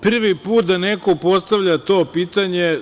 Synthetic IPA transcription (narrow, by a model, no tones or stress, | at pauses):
pr̩ʋipuːt̪d̪anekopo̞st̪aʋʎat̪o̞ːpiːt̪aɲe